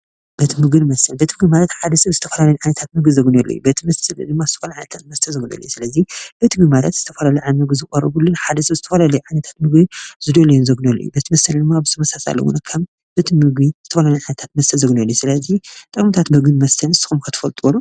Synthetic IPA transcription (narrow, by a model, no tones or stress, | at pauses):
b̥ɐt̪ʰimɨɡɨlmɐsɐlbɐt̪ʰmɨɡmalɐt̪ħad̪ɐsɐβzɨt̪ʰɐfɐlalɐjuʕajnɐt̪ʰat̪̚mɨɡɨzɐɡunɐlːṵjṵbet̪ʰimɐsɨld̪ɨmːazɨt̪ʰɨkonʕanɐt̪ʰat̪mɐst̪ʰɐlzɐɡunɐ̰lːṵjusɨlɐzib̥et̪ʰɨɡimalɐt̪zɨt̪ʰɐfɐlalɐjʕamɨɡzɨkʼɐɾɨbulːɨnħad̪ɐsɐβzɨt̪ʰɐfɐlalɐjuʕajnɐt̪ʰḁt̪mɨɡbiz̥ɨd̪olɐjunzɐɡunɐlːṵjṵbɐt̪ʰimɐsɐld̪ɨmːaβzɨt̪ʰɐmɐsasa̰lɐ̰wṵnɐkʰam | b̥ɐt̪ʰimɨɡizɨ̥t̪ʰɐfɐlalʕajnɐt̪ʰat̪mɐst̪ʰɐlzɐɡunɐlːujsɨlɐzit̪ʼɨɾmut̪ʰat̪bɨɡɨnmɐst̪ʰɐnɨsɨ̥xumkʰɐt̪ʰɨ̥fɐlt̪ʼwolu